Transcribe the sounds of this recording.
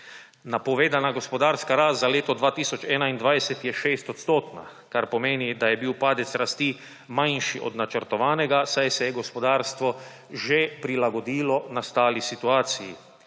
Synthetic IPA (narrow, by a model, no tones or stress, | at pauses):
napɔʋeːd̪anaɡospɔd̪aːɾskaɾaːst̪zaleːt̪ɔd̪ʋaːt̪iːsɔt͡ʃɛːnaind̪ʋajsɛt̪jɛʃeːst̪ɔt̪st̪oːt̪na̰ | kaɾpɔmeːnid̪ajɛbiwpaːd̪ɛt̪sɾast̪iː | majnʃiʔɔ̰d̪nat͡ʃəɾt̪ɔʋaːnɛɡasajsɛjɛɡospɔd̪aːɾst̪ʋɔ | ʒepɾilaɡɔd̪iːlɔnast̪aːlisit̪uaːt̪sijḭ